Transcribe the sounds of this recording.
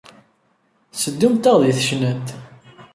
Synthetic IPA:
səd̪ːumt̪æʁðiθəʃnæt̪

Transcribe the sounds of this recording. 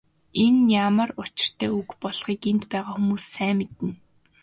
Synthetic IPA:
enjamə̆rʊt͡ɕɪ̥̆r̥t̪ʰæːukpɔɮχiːkent̪pæːʁaːxumuːsːæːmet̪ɘ̆n

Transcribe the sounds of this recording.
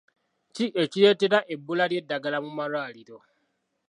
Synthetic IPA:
ciʔeciɾe̞ːte̞ɾaʔebːulalje̞dːaɡalamumalwaːliɾo

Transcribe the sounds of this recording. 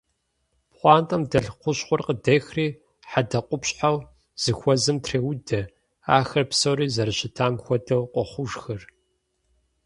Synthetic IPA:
pχʷɑːntʼɐmdɐɮqʷʊɕχʷɔrqədɐxriː | ħadɐqʷʼʊpɕʼħaw | z̥ɨxʷɔzɨmtʰreːwʊdɐ | aːxɐrpsowɾiːzɐɾɨɕɪtʰaːmxʷɔdɐwqʷʼɔχʷʊʒxɐr

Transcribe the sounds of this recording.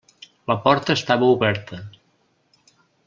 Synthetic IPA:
ləpɔɾt̪əːst̪aβəuβɛɾt̪ʰə

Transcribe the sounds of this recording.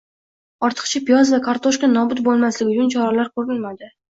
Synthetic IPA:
ɒɾt̪ʰɨ̥qt͡ʃʰapijɒzvakʰaɾt̪ʰoʃkanɒbʊt̪̚bolˠmaslɪɪʊt͡ʃʊnt͡ʃʰɒɾalaɾkʰoɾɪlmad̪ɪ

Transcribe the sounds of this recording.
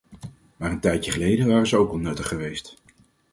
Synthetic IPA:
maːrəntɛjtjəχəlejdəʋaːrənzəowkɑlˠnɵtəχəʋejst

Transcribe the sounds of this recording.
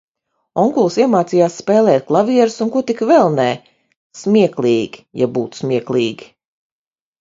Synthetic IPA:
ɔŋkulˠsiɛmaːt̪siːjaːssːpɛːlˠɛːt̪̚klˠaviɛɾusunkuɔt̪ikvɛlˠnɛː | smʲiɛklˠiːɡʲi̥ja̰buːt̪smʲiɛklˠiːɡʲi

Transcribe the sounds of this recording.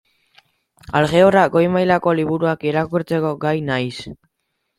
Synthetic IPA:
alɣe̞oraɡo̞jmajlako̞liβ̞uɾuakeɾakuɾt͡se̞ko̞ɡajnajs

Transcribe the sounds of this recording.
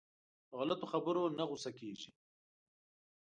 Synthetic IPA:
ɣalat̪oxabəɾonaɣʊsakeːʒi

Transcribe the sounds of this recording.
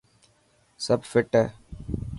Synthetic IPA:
səbfɪʈɛː

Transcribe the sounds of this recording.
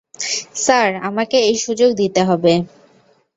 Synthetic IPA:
saɾa̰makeejʃud͡ʑoɡd̪it̪eɦɔbe

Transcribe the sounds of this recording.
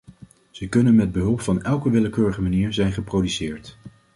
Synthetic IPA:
z̥əkɵnənmɛd̚bəɦɵlˠpfɑnɛlˠkəʋɪləkøːɹəχəmaniːɹzɛjnχəprowdysɪːɹt

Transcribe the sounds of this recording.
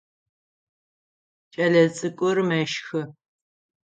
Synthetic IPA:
t͡ʃʼɐɮɐt͡sʼɨkʷʼʊrmɐʃxɨ

